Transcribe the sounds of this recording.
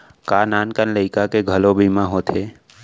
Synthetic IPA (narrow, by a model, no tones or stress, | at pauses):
kaːnaːnkənləɪkakeɡʱəlobʱiːmãɦot̪ʰeː